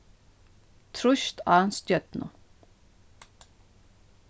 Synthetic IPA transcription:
t̪ʰɾʊʃt̪ʰɑːnst̪jœt̪nʊ̰

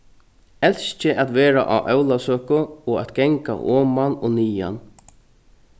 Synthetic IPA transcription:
ɛlst͡ʃɪʔat̪ʋeːɾa̰ʔa̰ʔœwlasøːkʊɔat̪ɡɛŋka̰ʔɔːmanɔniːja̰n

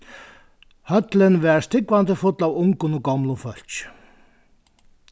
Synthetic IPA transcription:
hœt̪lɪnvɛɾst̪ɪkvant̪ɪfʊt̪lawʊŋkʊnɔɡɔmlʊfœl̥t͡ʃ

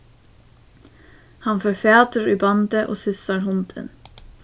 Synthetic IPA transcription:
hɑnfɔɾfɑːt̪əɹʉːbɑnd̪əʔo̰ːsʏsɑɾhʊnd̪ʰə̰n

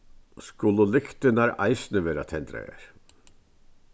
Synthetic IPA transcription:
skʊləlɪkt̪ɪnaɾa̰ɪsnəʋeːɾa̰t̪ʰɛnt̪ɾa̰a̰ɾ

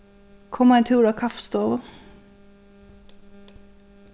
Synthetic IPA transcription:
kʰɔmæɛɪnt̪ʰʉːɾɑːkʰɑfst̪oːʋə

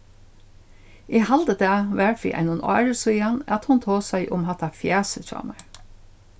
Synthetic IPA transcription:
ihald̪əd̪æːʋæɹfḭʔa̰ɪnʊnɔ̰ːɹsujanat̪hʊnt̪ʰoːsæɪʔʊ̰mɦɑt̪ʰɑfjæːsət͡ʃɑ̰ːmæɹ

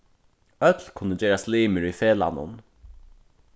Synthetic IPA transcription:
œt̪lkʰʊnːəd͡ʒeːɾasliːməɹifeːla̰nʊ̰n

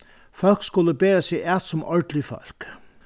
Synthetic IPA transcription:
fɔlɡ̥sɡ̥uləbeːɐsiʔæd̪̥sɔmʔɔd̥əlifɒlɡ̥

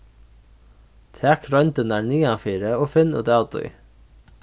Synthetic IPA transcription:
t̪ʰɛːkɾɔnt̪ɪnaɾniːanfiːɾɪɔfɪnːṵd̪aːwt̪ʊ̰j

